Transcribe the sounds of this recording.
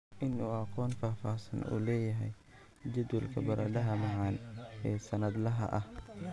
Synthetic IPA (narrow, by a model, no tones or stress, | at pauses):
ʔɪnuːɐqɔːnfaːfaːsɐ̰nṵːlɛːjɐɦɛj | d͡ʒɐd̪wʊlkʰɐbɐɾʔɐɖɐɦɐmɑʕɑːnɛːsɐnɐd̪lɐɦɐ̰ʔɐh